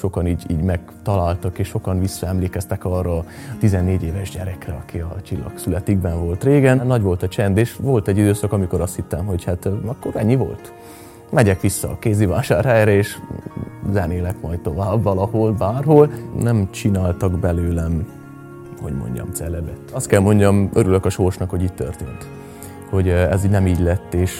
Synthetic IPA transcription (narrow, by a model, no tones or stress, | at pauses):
ʃo̞kɒniːɟiːɟmɛɡ | t̪ɒlaːlt̪ɒkeːʃʃo̞kɒnvisːɒɛmleːkɛst̪ɛkɒrːɒ | t̪izɛnːeːɟeːvɛʒɟɛɾɛkrɛɒkiɒt͡ʃilːɒ̰ksylɛt̪iɡbɛɱvo̞lt̪reːɡɛnnɒɟʋo̞lt̪ɒt͡ʃɛnd̪eːʃʋo̞lt̪ɛɟːid̪øːsɒkɒmiko̞ɾɒst̪hit̪ːɛmɦo̞chat̪ɒkːo̞ɾɛɲːivo̞̰lt̪ | mɛɟɛkʋisːɒːkeːziva̰ːʃaːɾhɛjɾɛeːʃ | zɛneːlɛkmɒjt̪̚t̪o̞vaːbvɒlɒho̞lbaːrɦolnɛmt͡ʃinaːlt̪ɒɡbɛløːlɛ | hoɟmo̰ɲɟɒ̰mt̪sɛlːɛbɛt̪ːɒst̪kɛlmo̞ɲɟɒmøɾyløkɒʃorʃnɒkho̞ɟiːctt̪ø̰rt̪ḛːnt̪ | ho̞ɟɛzinɛmiːɟlɛt̪ːeːʃ